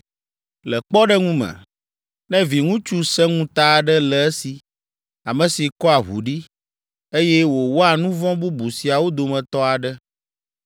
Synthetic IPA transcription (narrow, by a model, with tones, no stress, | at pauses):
lɛ˨k͡pɔ˦ɖɛ˦ŋũ˦mɛ̰̃˨ | nɛ̃˦vi˨ŋũ˦t͡ʃu˦sɛ˦ŋũ˦t̪a˦˨ɖə˦lɛ˨ɛ˦si˨ | a˨mə̃˨si˨kɔ˦a˨ɦṵ˨ɖi˦ | e˦jɛ˦wo˨wo˦a˨nũ˦vɔ̃˦bu˦bu˨si˨a˨wo˦d̪o˨mɛ̃˨t̪ɔ˦a˨ɖɛ˦